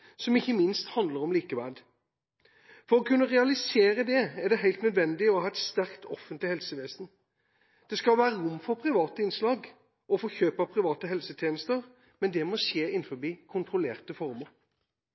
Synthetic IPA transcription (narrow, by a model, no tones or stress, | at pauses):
sɔmɪçːəmɪnst̪hɑnd̪ləɾɔmliːkəʋæl | fɔɾɔkʰʉnːəʁɛɑlɪseːɾəd̪ɛæʁɖ̪ɛɦæɪlt̪nœd̪ʋɛnd̪ɪɔhɑːɛt̪st̪æʁkt̪ʰɔfənt̪lɪhɛlsəʋeːsn̩ | d̪̥ɛskɑlʋæːɾəɾʊmːfɔɾpʰɾɪʋɑːt̪əɪnslɑːɡ | ɔfɔçøːpɑpʰɾɪʋɑːt̪əɦɛlsət̪ʰjeːnəst̪əʁ | mɛnd̪ɛmɔʃeːɪnːfɔbiːkʰʊnt̪ɾʊleːʁt̪əfɔɾməɾ